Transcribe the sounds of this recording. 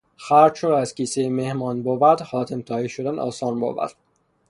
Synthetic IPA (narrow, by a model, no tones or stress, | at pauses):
xæɾʃoæzkiːsejmehmɒːnbovæɾd̪χɒːt̪ʰemt̪ʰɒːhiʃod̪ænʔɒ̰ːsɒːnbo̰ːvæ̰ɾd̪̥